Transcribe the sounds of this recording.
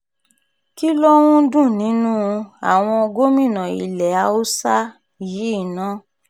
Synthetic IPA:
ki˦lɔ˦w̃ũ˦dũ˦˨nĩ˨˦nũ˦˧a̰˨w̃ɔ̃˧o˧ɡo˦mĩ˦˨nã˨ḭ˨lɛ˨a˧˦o˦sa˦˨ | ji˨˦i˦˨nã˦

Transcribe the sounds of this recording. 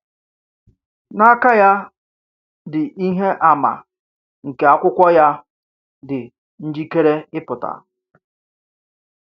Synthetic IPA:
na˦ka˦ja˦ | dɪ˨ʔi˦ɦe˦ʔa˨ma̰˨ | ŋ̩˨ke˨a˦kʷʊ˦kʷɔ˦ja˦ | dɪ˨ | n̩˦d͡ʒi˦ke˦ɾe˦ɪ˦pʊ˨ta̰˨

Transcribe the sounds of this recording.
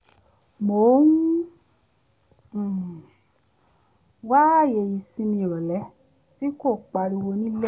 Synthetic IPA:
mo˨˦n˦˨ | wa˦˨je˧ji˧sĩ˧nĩ˧˨ɾɔ˨lɛ˨˦ | ti˦ko˦˨k͡pa˧ɾi˧wo˧nĩ˦lɛ˦˨

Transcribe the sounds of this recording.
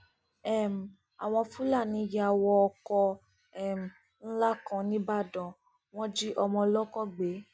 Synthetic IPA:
ɛ˦˨m̩˨ | a˨w̃ɔ̃˧fu˦la˦˨nĩ˨˧˦ja˨˧a˨˧wɔ˧ɔ˧kɔ˧ | ɛ˦˨m̩˨ | ñ̩˦la˦kã˧nĩ˦ba˦˨dɔ̃˨ | w̃ɔ̃˦d͡ʒi˦ʔɔ˧mɔ̃˧lɔ˦kɔ˦ɡ͡be˨˦

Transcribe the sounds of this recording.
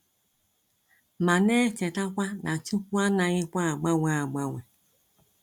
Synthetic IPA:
mã˨nɛ̃ː˦t͡ʃɛ˨ta˦kʷa˦nʔã˨t͡ʃu˦wa˦nã˨ji˦kʷa˦˨ɡ͡ba˦wa˦˨ɡ͡ba˦wɛ˨

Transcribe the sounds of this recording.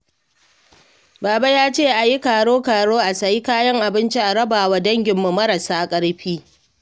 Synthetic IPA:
baː˨ba˦jaː˦t͡ʃeː˦˨ʔa˨ji˦kaː˨ɽoː˦kaː˨ɽoː˦ʔa˨sɐ˨ji˦kaː˦jɐ˦ŋʔa˨bɪ˦nt͡ʃi˦ʔa˨ɽɐ˦baː˨wa˨dɐ˦ŋɡʲɪ˨mːu˨mɐ˦ɾɐ˨saː˦kʼɐ˦ɽɸiː˦

